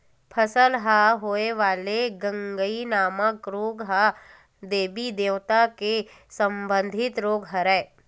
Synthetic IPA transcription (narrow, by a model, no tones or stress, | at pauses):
pʰɐsəlɦaɦoːeʋaːleɡə̃ŋɡəinaːməkɾoːɡɦa | d̪eːbid̪eːʋt̪ake | sə̃mbə̃nd̪ʱɪt̪ɾoːɡɦɐɾɛː